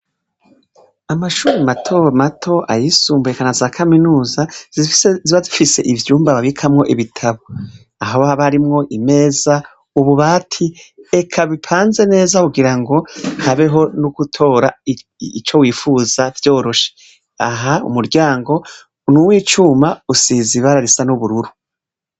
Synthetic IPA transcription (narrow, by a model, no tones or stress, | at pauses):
amaʃuːɾematʰo̞matʰo̞ʔa̰jisuːmbuekanazaːkʰaminuːzaziziβazifise̞̰ʔivjuːmbaβaβikʰamŋo̞ʔiβitʰaβo | aɦaβahaβaaɾimŋo̞ʔime̞ːza | uβuβaːtʰie̞kʰaβipʰaːnze̞ne̞ːzakuɡiɾaŋɡo̞haβe̞ɦo̞nukutʰo̞ːɾa | it͡ʃo̞wiːfuz̥avjo̞ːɾo̞ʃe | aɦaṵmuɾɟaːŋɡo̞ | nuwiːt͡ʃumausiːziβaɾaɾisanuβuɾuɾu